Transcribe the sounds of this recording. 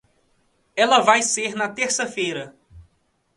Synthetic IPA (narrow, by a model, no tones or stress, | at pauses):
ɛlɐvajseɾnɐt̪eɾsɐfejɾɐ